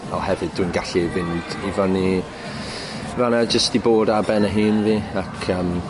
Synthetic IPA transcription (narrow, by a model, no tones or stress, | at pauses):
ɛlˠhɛvɨdwinɡaɬivɪnd̥ivani | vanad͡ʒəstiboːdabɛnəɦiːnviːakʰəm